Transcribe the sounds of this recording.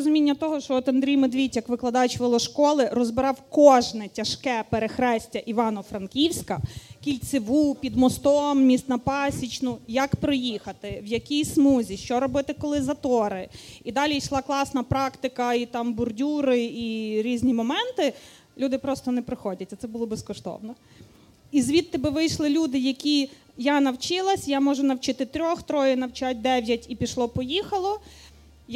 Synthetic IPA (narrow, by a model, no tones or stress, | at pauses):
ɾɔzʊmʲinʲːɐt̪ɔɦɔʃt͡ʃɔɔt̪ɐnd̪ɾʲijmed̪ʋʲitʲjɐkʋɪklˠɐd̪ɑjt͡ʃʋɪlˠɔʃkɔlˠɪɾɔzbɪɾɑwkɔʒnɛtʲɐʃkɛpeɾexɾɛsʲtʲɐʔiʋɑnɔfɾɐnkʲiwsʲkɐkʲilʲt͡sʲɪʋupʲid̪mɔst̪ɔmːʲist̪nɐpɑsʲit͡ʃnʊjɐkpɾɔjixɐt̪ɪwjɐkʲijsmuzʲiʃt͡ʃɔɾɔbɪt̪ɪkɔlˠɪzɐt̪ɔɾɪid̪ɑlʲijʃlˠɑklˠɑsnɐpɾɑkt̪ɪkɐit̪ɑmbʊrdʲuɾɪiɾʲizʲnʲimɔmɛnt̪ɪ | lʲud̪ɪpɾɔst̪ɔnɛpɾɪxɔdʲɐtʲɐt̪sɛbulˠɔbɛskɔʃt̪ɔ̰wnɔ | izʋʲit̪ːɪbɪʋɪjʃlˠɪlʲud̪ɪjɐkʲi | janɐwt͡ʃɪlˠɐsʲjamɔʒʊnɐwt͡ʃɪt̪ɪt̪ɾʲɔxt̪ɾɔjɪnɐwt͡ʃat̚ʲd̪ɛʋʲjɐtʲipʲiʃlˠɔpɔjixɐlˠɔ | j